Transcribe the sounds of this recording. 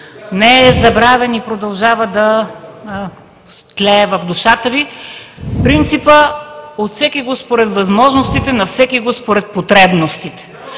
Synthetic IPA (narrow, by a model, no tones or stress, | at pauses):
nɛɛzɐbɾavɛnipɾod̪ɐlˠʒavəd̪ɐ | st̪lɛːvɐvd̪uʃat̪əvifpɾint̪sipəot̪fsɛkʲiɡospoɾɛt̪vɐzmɔʒnost̪it̪ɛnɐfsɛkiɡospoɾɛt̪̚pot̪ɾɛbnost̪it̪ɛ̥